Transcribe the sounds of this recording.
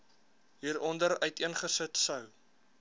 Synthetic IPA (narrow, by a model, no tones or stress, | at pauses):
ɦiːɾɔndəɾœɥtiənχəsətsœw